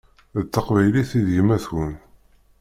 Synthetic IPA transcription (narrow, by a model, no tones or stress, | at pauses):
ðət̪ːəqvæjliθiðəʝmæθwən